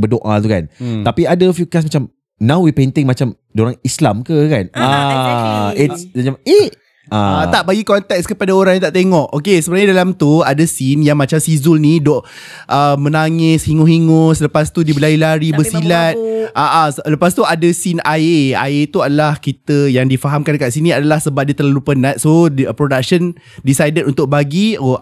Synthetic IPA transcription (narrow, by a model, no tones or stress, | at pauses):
bədoʔa̰t̪uka̰nt̪apiadəfjukas̬mat͡ʃam | nãwwipent̪ɪŋmat͡ʃam | doɾaŋislamkəkana | itsad͡ʒameh | ʔaaaʔbaɡikɔnt̪ɛk̚skəpadaoɾãŋjãŋt̪aʔt̪eŋɔʔokesəbənaɲadalamt̪uadəsinjaŋmat͡ʃamsizʊlnidɔʔ | ʔəmə̃naŋɪshiŋʊɦiŋʊsələpast̪udibəlailaɾibəsilat̪̚aʔasləpast̪uadasinaea̰et̪uadalahkit̪əjaŋdifaɦamkankaʔsinĩadalahsəbap̚diət̪ərlalupənãt̪̚sopɾodak̚ʃən | disajdənunt̪ʊk̚baɡio